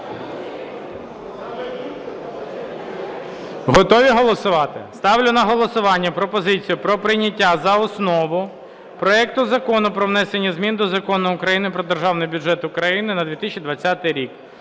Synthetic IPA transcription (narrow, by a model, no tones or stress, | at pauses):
ɦɔt̪ɔʋʲiɦɔlˠɔsʊʋɑt̪ɪ̰st̪ɑʋlʲʊnɐɦɔlˠɔsʊʋɑnʲːɐpɾɔpɔzɪt͡sʲijʊpɾɔpɾɪnʲɐtʲːazɐɔsnɔʋʊ | pɾɔɛk̚t̪ʊzɐkɔnʊpɾɔʋnɛsenʲːɐzʲmʲind̪ɔzɐkɔnʊʊkɾɐjinɪpɾɔd̪erʒɑwnɪjbʲʊd͡ʒɛt̪ʊkɾɐjinɪnɐd̪ʋʲit̪ɪsʲt͡ʃʲːid̪ʋɐt͡sʲːat̪ɪjɾʲik